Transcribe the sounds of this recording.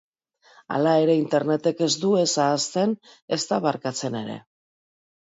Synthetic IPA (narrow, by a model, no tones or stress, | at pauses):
a̰lae̞ɾe̞int̪e̞ɾne̞t̪e̞ke̞zd̪ue̞saːst̪e̞n | e̞st̪aβaɾkat͡se̞ne̞ɾe̞̰